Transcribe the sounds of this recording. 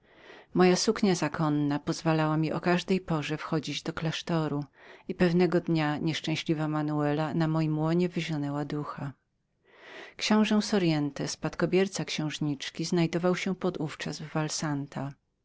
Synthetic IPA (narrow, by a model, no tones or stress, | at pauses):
mɔjasukɲazakʰɔnːapɔzvalawamʲiʔɔkaʐd̪ɛjpɔʐɛfxɔd͡ʑid͡ʑd̪ɔklaʂt̪ɔɾuipɛvnɛɡɔd̪ɲaɲɛʂt͡ʂɛ̃w̃ɕlʲivamanuɛlanamɔjimwɔɲɛvɘʑɔnɛwad̪uxa | kɕɔ̃w̃ʐɛw̃sɔɾjɛnt̪ɛspat̪kɔbʲjɛɾt̪sakɕɛ̃w̃ʐɲit͡ʂkʲiznajd̪ɔvawɕɛpɔd̪uft͡ʂazvːalsant̪ʰa